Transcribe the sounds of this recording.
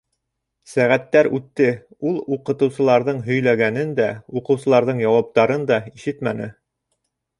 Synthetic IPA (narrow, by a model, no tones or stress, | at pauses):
sæʁæt̪ːæɾʉt̪ːɘ | ulˠuqɤ̆t̪ɤ̆wsɤ̆lˠɑɾðɤɴɦɵ̆jlæɡænɘnd̪æuqɤ̆wsɤ̆lˠɑɾðɤɴjɑwɑp̚t̪ɑɾɤnd̪ɑiʃɘt̪mænɘ